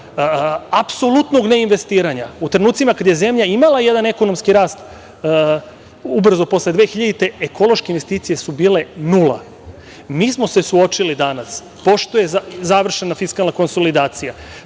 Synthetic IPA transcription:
apso̞lˠut̪no̞ɡne̞inʋe̞st̪iːɾaɲaut̪ɾenuːt̪simakad̪je̞ze̞mʎaimalˠaje̞d̪ane̞ko̞no̞mskiɾaːst̪ | ubr̩zopo̞sled̪ʋe̞ːxiʎad̪it̪e̞ekʰo̞lˠo̞ʃkeinʋe̞st̪iːt̪sije̞subiːle̞nulˠa̰ | miːsmo̞sesuo̞t͡ʃilid̪anas | po̞ʃt̪ojezzaʋr̩ʃe̞nafiskalˠnako̞nso̞lid̪aːt̪sija

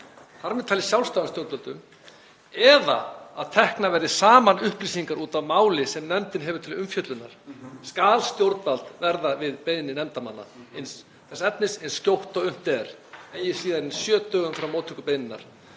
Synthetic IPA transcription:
θaɾmɛðt̪ʰaːlɪ̥sjawlst̪awnst̪jowɾt̪valt̪ʏm | ɛða̰aðt̪ʰɛhknavɛɾðɪsaːmanʏhpliːs̬iŋkaɾuːt̪avmaːwlɪsɛmnɛmt̪ɪnɦɛvʏɾ̥t̪ʰɪlʏmfjœt̪lʏna̰ɾ̥skaːlst̪jowɾt̪valt̪vɛɾðavɪðpejnɪnːɪnɛmt̪amanːa̰ens | θɛsɛt̪̚nɪsɪnsːcjowht̪ɔɣʏm̥t̪ɛɾejɪsiːðaɾɪnsjœːt̪œːɣʏmfɾawmːoːt̪ʰʏkʏpejnɪnːa̰ɾ̥

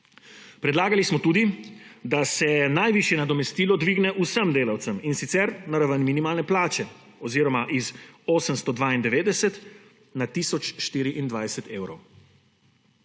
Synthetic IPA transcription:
pɾɛd̪laːɡalismɔt̪uːd̪id̪asɛnajʋiʃjɛnad̪ɔmɛst̪iːlɔd̪ʋiːɡnɛʔusəmd̪eːlawt̪səminsit̪sɛɾnaɾaʋənminimaːlnɛplaːt͡ʃɛ | ɔziːɾɔmaʔizoːsəmst̪ɔd̪ʋaːind̪ɛʋeːd̪ɛsɛt̪ | nat̪iːsɔt͡ʃʃt̪iːɾiʔind̪ʋajsɛt̪eːwɾɔw

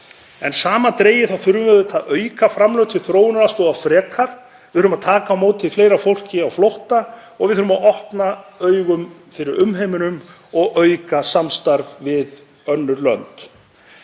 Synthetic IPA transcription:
ɛnsaːmat̪ɾeːjɪθaðθʏɾvʏmvɛðvɪt̪ʰaðœːɥkafɾamlœwt̪ʰɪlθɾoːwnɾast̪ɔafɾɛːkʰaɾ̥ | vɪðʏɾʏmaðt̪ʰaːkamoːwt̪ʰɪfleːjɾafowl̥cɪawflowht̪aɔɣvɪðθʏɾʏmaðɔhpnaœɥɣʏmfɪɾɪɾʏmɦejmɪnʏm | ɔɣœːɥkasamst̪aɾvvɪð | œnːʏɾlœ̰nt̪

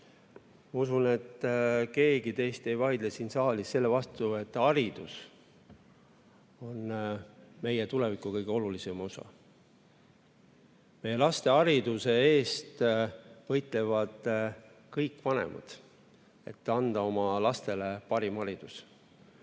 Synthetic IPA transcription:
mɑusune̞t̪ˑːke̞ːɡit̪e̞jst̪e̞jvɑjd̪̥lesinsɑːlisːe̞lːe̞vɑst̪ue̞t̪ːˑɑɾid̪̥us | o̞nː | me̞jet̪ule̞vikˑːukɤjɡ̥eo̞lulisemosɑ̰ | me̞jːe̞lɑst̪e̞ɑɾid̪̥use̞e̞ːst̪vɤjt̪ˑle̞vɑd̪̥ | kɤjkːˑvɑne̞̰mʔɑ̰d̪̥ | e̞t̪ːˑɑnd̪̥ɑo̞mɑlɑst̪e̞le̞pɑɾimɑɾid̪̥us

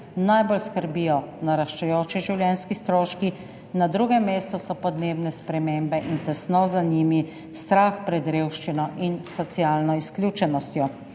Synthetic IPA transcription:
najbolskəɾbijɔnaɾaʃt͡ʃɛjoːt͡ʃiʒiwljɛnskist̪ɾoːʃki | nad̪ɾuɡɛmeːst̪ɔsɔpɔd̪neːbnɛspɾɛmembɛʔint̪ɛsnɔzanimi | st̪ɾaxpɾɛd̪ɾeːwʃt͡ʃinɔʔinsɔt̪siaːlnɔisklʲjuːt͡ʃɛnɔst̪jɔ

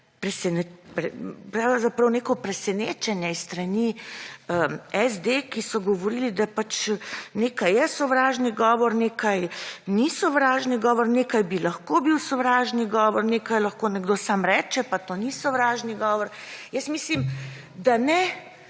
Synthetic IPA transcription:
pɾɛsɛnɛpɾɛpɾawzapɾɐwneːkɔpɾɛsɛneːt͡ʃɛnjɛisːt̪ɾɐniəɛzd̪ekisɔɡɔʋɔɾiːlid̪apat͡ʃneːkajɛsɔʋɾaːʒniɡɔːʋɔɾneːkajnisɔʋɾaːʒniɡɔːʋɔɾneːkajbilɐxkobiwsɔʋɾaːʒniɡɔːʋɔɾneːkajlɐxkoːnɛɡd̪osaːmɾɛːt͡ʃɛpat̪onisɔʋɾaʒniɡɔːʋɔɾ | jəsmislim | d̪anɛ

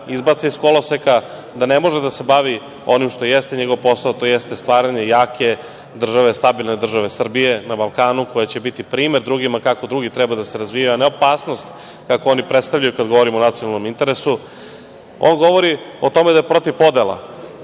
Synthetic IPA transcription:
izbat̪seisko̞loseka | d̪anemo̞ʒed̪ase̞baʋi | o̞nimʃt̪ojest̪eɲeɡo̞ʋpo̞saot̪ojest̪est̪ʋaːɾaɲe̞jaːkʰe̞ | d̪r̩ʒaʋest̪abilne̞d̪r̩ʒaʋesr̩bije̞nabalˠkaːnuko̞jat͡ɕe̞bit̪ipɾiːme̞ɾd̪ɾuɡimakako̞d̪ɾuɡit̪ɾɛbad̪aseɾazʋijaane̞o̞paːsnost̪ | kakoo̞nipɾet̪st̪avʎajukad̪ɡoʋo̞ɾimonat̪ionalno̞mint̪e̞ɾesu | o̰nɡo̞ʋo̞ɾiot̪o̞med̪ajepɾo̞t̪ivpo̞d̪ela̰

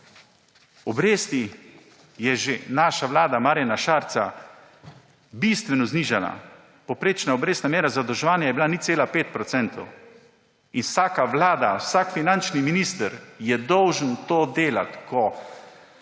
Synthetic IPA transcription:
ɔbɾeːst̪i | jɛʒenaːʃaʋlaːd̪amaːɾjanaʃaːɾt̪sa | bist̪ʋɛnɔzniːʒana̰ | powpɾeːt͡ʃnaɔbɾeːst̪namjeːɾazad̪ɔwʒɛʋaːnjajɛbilanit̪seːlapeːt̪̚pɾɔt̪sɛnt̪ʰɔ̰w | inwsaːkaʋlaːd̪awsakfinant͡ʃniminiːst̪əɾjɛd̪ɔwʒənt̪oːd̪eːla̰t̪kʰɔ

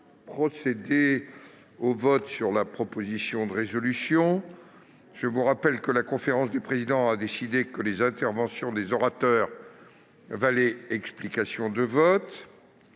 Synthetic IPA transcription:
pχɔsed̪e | ovɔt̪syʁlapχɔpozisjɔ̃d̪əʁezɔlysjɔ̃ | ʒ̥əvuʁapɛlkəlakɔ̃feʁɑ̃sd̪epχezid̪ɑ̃ad̪esid̪ekəlezɛ̃t̪ɛʁvɑ̃sjɔ̃d̪ezɔʁat̪œːʁ | valɛɛksplikasjɔ̃d̪əvɔt̪

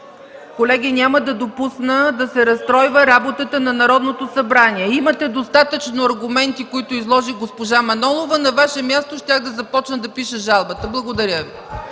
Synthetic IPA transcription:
kolɛɡʲinʲaməd̪ɐd̪opusnəd̪ɐsɛɾɐst̪ɾɔjvəɾabot̪ət̪ənɐnɐɾɔd̪not̪osɐbɾaniɛimət̪ɛd̪ost̪at̪ət͡ʃnoɐɾɡʊmɛnt̪ikoit̪oizlˠɔʒiɡospoʒamɐnɔlˠovənɐvaʃɛmʲjast̪oʃt̪ʲjaɣd̪ɐzɐpɔt͡ʃnəd̪ɐpiʃəʒalˠbət̪əblˠɐɡod̪ɐɾʲəvi

